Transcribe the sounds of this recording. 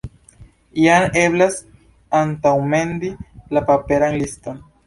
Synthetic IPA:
iane̞blas | ant̪awme̞nd̪ilapape̞ɾanlisto̞n

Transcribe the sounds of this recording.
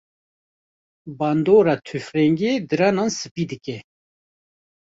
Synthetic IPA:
band̪oːɾat̪ʰyfɾɛŋɡed̪ɨɾanansɨpid̪ɨkɛ

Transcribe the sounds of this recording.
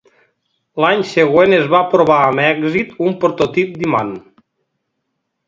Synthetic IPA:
laɲseɣwenezβapɾoβ̞aəmɛɡzit̪umpɾot̪ot̪ip̚d̪ima̰n

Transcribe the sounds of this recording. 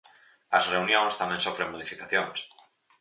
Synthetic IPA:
ɐzreunjõŋst̪amẽnsofɾeŋmoð̞ifikaθjoŋs

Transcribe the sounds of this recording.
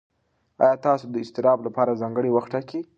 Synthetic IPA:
ɑ̰jɑt̪ɑsod̪əɪst̪ɪɾɑblapɑɾazɑŋɡəɽewaxʈaki

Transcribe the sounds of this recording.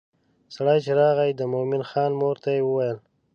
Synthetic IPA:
saɽɑjt͡ʃeɾɑɣajd̪əmomɪnxɑnmoɾt̪ajewəwajəl

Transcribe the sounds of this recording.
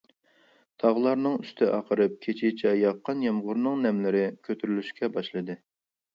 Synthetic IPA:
t̪ʰɑʁlˠɑɾnɨŋyst̪ʰɪʔɑqʰəɾɨp̚kʲʰet͡ʃʰit͡ʃʰɛjɑqʰːɑnjɛmʁʊɾnɨŋnɛmlɪɾɪkʲʰøt̪ʰyɾylyʃkʲʰɛbɑʃlˠɨd̪ɨ

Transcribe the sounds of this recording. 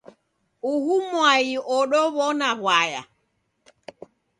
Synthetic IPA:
uhumwajiʔɔɗɔβɔnaβwaja̰

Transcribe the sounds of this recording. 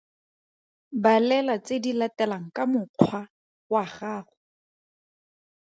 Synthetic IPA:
balɛlat͡sedilatɛlaŋ̩kʼamʊq͡χʰwa | waχaːχʊ

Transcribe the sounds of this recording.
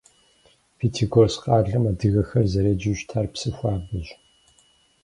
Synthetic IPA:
fitʰiɡorsqʼɑːɮɐmadɨɣɐxɐrzɐɾɐd͡ʒɪʒtʰaːrpsɨxʷɑːbɨʒ

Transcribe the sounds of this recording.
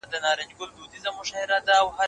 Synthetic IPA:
d̪ənɑɾɪɲd͡ʒɡʊld̪ud̪izamʊʃɑhɪɾad̪aːwha

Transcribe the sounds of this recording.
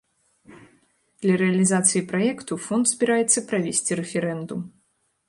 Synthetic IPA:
d̪̥lʲɐɾɛɐlʲizat̪sɨjipɾajɛkt̪ufɔnt̪zʲbʲiɾajɛt̪sːɐpɾavʲesʲt͡sʲiɾɛfʲɛɾɛnd̪um

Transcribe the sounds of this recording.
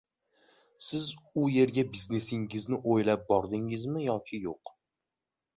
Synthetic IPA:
sɪzʊje̞ɾɡʲabizne̞sɪŋɪznɪʔojlap̚bɒɾd̪ɪŋɪzmɪjɒkʲʰɪjoq

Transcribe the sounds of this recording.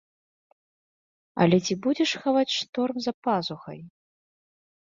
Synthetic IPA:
ɐ̰lʲɛt͡sʲibud͡zʲɛʂxavat͡sʲʂt̪ɔrmzɐpazuxɐ̰j

